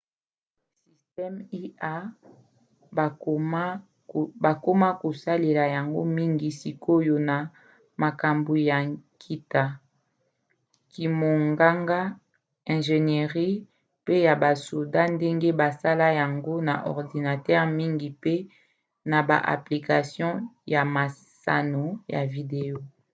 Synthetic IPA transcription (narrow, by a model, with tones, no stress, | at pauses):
si˨stɛ˦mi˦a˦˨˦ | ba˨ko˦ma˦ko˨sa˦le˨la˨ja˨ŋɡo̰˦mi˦ŋɡi˨si˨ko˦˨jo˨na˨ | ma˨ka˨mbu˨ja˨kʰi˦ta˦ | ki˨mo˨ŋɡa˦ŋɡa˦ | ɛ̃˨ʒe˨ne˨ʁi˦ | pe˦ja˨ba˨so˨da˦nde˦ŋɡe˦ba˨sa˦la˦ja˨ŋɡo˦na˨ʔɔ̰˨ʁdi˨na˨tɛ˦ʁmi˦ŋɡi˨pe˦ | na˨ba̰˨ʔa̰˨pli˨ka˨sjɔ̃˦ja˨ma˨ | sa̰˨no˨ja̰˨vi˨de˨o˦